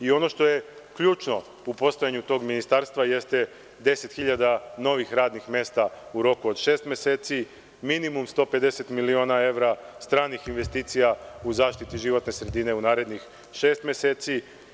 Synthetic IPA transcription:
io̞no̞ʃt̪o̞je̞ | kʎuːt͡ʃno | upo̞st̪ojaɲut̪o̞ːɡminist̪aɾst̪ʋaje̞st̪je | d̪e̞set̪xiʎad̪ano̞ʋixɾaːd̪nixmje̞ːst̪auɾo̞kuod̪ʃeːst̪mje̞seːt̪si | minimumst̪o̞ːpe̞d̪e̞set̪milio̞ːnae̞ʋɾast̪ɾaːnixinʋe̞st̪iːt̪sijauzaːʃt̪it̪iʒiʋo̞t̪ne̞sɾe̞d̪ine̞unaːɾe̞d̪nix | ʃe̞ːst̪mjeseːt̪si

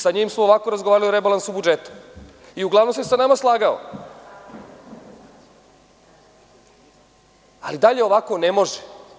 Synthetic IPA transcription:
saɲiːmsmooʋako̞ɾazɡoʋaːɾalioɾebalansubud͡ʒet̪u̥ | iuɡlˠaʋno̞msesanamaslˠaːɡao̰ | a̰lid̪aʎe̞o̞ʋako̞ne̞mo̞ʒe

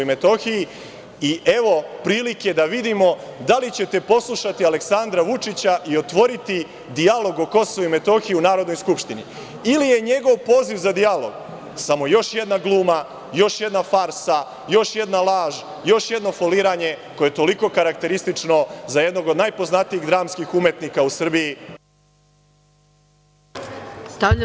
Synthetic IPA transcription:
jme̞t̪o̞xiji | iʔeʋo̞pɾiːliked̪aʋid̪imo̞d̪alit͡ɕe̞t̪e̞po̞slˠuʃat̪iale̞ksand̪ɾaʋut͡ʂit͡ɕaʔio̞t̪ʋo̞ɾit̪i | d̪ialo̞ɡo̞ko̞soʋuime̞t̪o̞xijiunaːɾod̪nojskupʃt̪inḭ | ilije̞ɲe̞ɡo̞ʋpo̞ːziʋzad̪ialo̞̰ɡ̥ | samo̞jo̞ʃje̞d̪naɡlˠuːma | jo̞ʃje̞d̪nafaɾsa | jo̞ʃje̞d̪nalˠaːʒ | jo̞ʃje̞d̪no̞foliːɾaːɲe̞ko̞jet̪o̞liko̞kaɾakt̪e̞ɾist̪it͡ʂno̞zaje̞d̪no̞ɡo̞d̪najpo̞znat̪iiɣd̪ɾaːmskixumje̞t̪niːkausr̩biji | st̪a

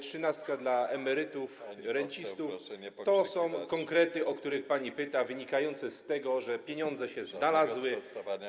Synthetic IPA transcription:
tʂɘnast̪̚kad̪laɛmɛɾɘt̪ufɾɛɲt͡ɕist̪uft̪ɔsɔ̃w̃kɔŋkɾɛt̪ɘʔɔkt̪uɾɘxpaɲipɘt̪avɘɲikajɔnt̪sɛst̪ɛɡɔʐɛpʲjeɲɔnd̪zɛɕɛznalazwɘ

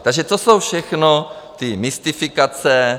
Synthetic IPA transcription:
t̪aɡʒɛt̪osowfʃɛxno | t̪ɪmɪst̪ɪfɪkat͡sɛ

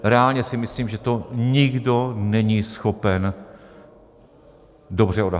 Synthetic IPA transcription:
ɾɛalɲɛsɪmɪsliːmʒɛt̪oɲɪɡdonɛɲisxopɛn | dobr̝ɛoda

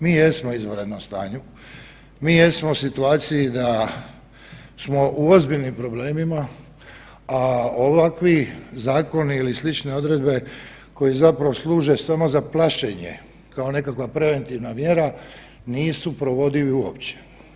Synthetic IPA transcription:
miːje̞smo̞izʋoɾed̪nomst̪a̰ːɲu | miːje̞smo̞sit̪uaːt̪sijid̪a | smo̞ʔuozbiʎnimpɾo̞bleːmima | aoʋakʋizaːko̞niilislit͡ʃne̞o̞d̪ɾe̞d̪be̞ | ko̞jizapɾaʋoslˠuːʒe̞samo̞zaplˠaʃeɲe̞̰ | kao̞ne̞kakʋapɾe̞ʋe̞nt̪iʋnamje̞ɾa | niːsupɾo̞ʋo̞d̪iʋiuo̰pt͡ɕe̥

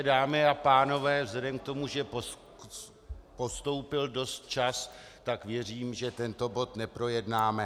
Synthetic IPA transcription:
daːmɪapaːno̞vɛːvzlɛdɛmk̚t̪o̞muʒɛpo | po̞st̪o̞wpɪldo̞st̪̚t͡ʃas | t̪akvjɛr̝iːmʒɛt̪ɛnt̪o̞bo̞t̪nɛpɾo̞jɛdnaːmɛ

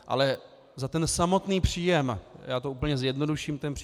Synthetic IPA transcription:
ʔa̰lɛ | zat̪ɛnsamo̞t̪niːpr̝̥iːjɛmjaːt̪ouːpl̩ɲɛzjɛdno̞duʃiːmt̪ɛnpr̥

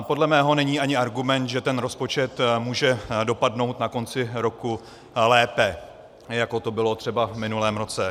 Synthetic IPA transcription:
po̞dlɛmɛːɦo̞nɛɲiːʔaɲɪaɾɡumɛnt̪ʒɛt̪ɛnɾo̞spo̞t͡ʃɛt̪muːʒɛdo̞padno̞wt̪nako̞nt͡sɪɾo̞ku | lɛːpɛ | jako̞t̪o̞bɪlo̞t̪r̝̥ɛbavmɪnulɛːmɾo̞t͡sɛ

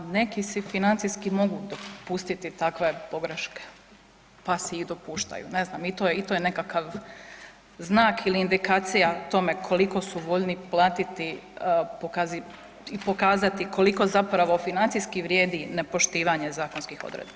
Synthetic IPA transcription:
ne̞kisifinant̪ijskimo̞ɡud̪o̞pust̪it̪it̪akʋe̞po̞ɡɾeʃke̥ | pasɛid̪o̞puːʃt̪a̰jṵne̞znaːmit̪ojeit̪ojene̞kakaʋ | znaːkiliːnd̪ikaːt̪sijat̪o̞me̞kʰo̞liko̞suʋo̞ʎniplˠaːt̪it̪ipokazi | ipo̞kaːzat̪iko̞liko̞zapɾaʋo̞finant̪sijskiʋɾje̞ːd̪inepo̞ʃt̪iːʋaɲe̞zaːkonskixo̰d̪ɾḛd̪ba

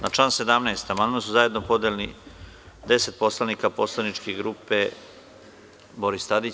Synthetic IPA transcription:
nat͡ʃlˠaːnse̞d̪amneːst̪amand̪mansuzaje̞d̪nopo̞d̪elenḭ | d̪e̞se̞t̪̚po̞slˠaniːkapo̞slˠanit͡ʃkeɡɾuːpe | bo̞ɾist̪ad̪i

